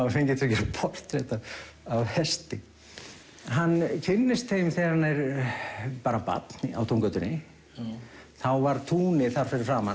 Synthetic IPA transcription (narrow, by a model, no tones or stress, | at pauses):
fejɲcɪt̪ʰʏcɛɾapʰɔr̥t̪ɾɛt̪a | avhɛst̪ɪ | ɦanːcʰɪnːɪst̪θejmθɛanːajɾ | paːɾapa̰t̪nɪa̰wt̪ʰowŋkœɥt̪ʏnɪ | θawvaɾt̪ʰuːnɪθaɾ̥fɪɾɪɾ̥fɾaːma